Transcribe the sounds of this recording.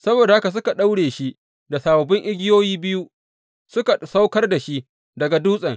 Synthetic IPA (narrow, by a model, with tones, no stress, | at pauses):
sɐ˦boː˨da˨ha˦ka˨s̬ʊ˦ka˨ɗa˦wɽeː˨ʃi˦ʔ | da˨saː˨bɐ˨bɪ˦ŋʔɪ˦ɡʲɪ˦joː˦jiː˦bɪ˦ju˦ | sʊ˦ka˨sa˦wkɐ˦rda˨ʃi˦ʔ | dɐ˨ɡa˨duː˦sʼɐ˨ŋ